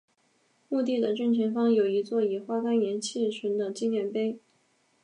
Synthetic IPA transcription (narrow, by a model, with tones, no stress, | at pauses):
mu˥˧t̪i˥˩d̪ə˩ʈ͡ʂy˥˩nʈ͡ʂʰə˧˥ŋfɑ˥ŋjo˨˩ʊi˧˥t͡swɔ˥˩i˨˩xwa˥ka˥njɛ˧˥nt͡ɕʰi˥˩ʂʰə˧˥nd̪ə˨t͡ɕi˥ŋjɛ˥˩npe˥ɪ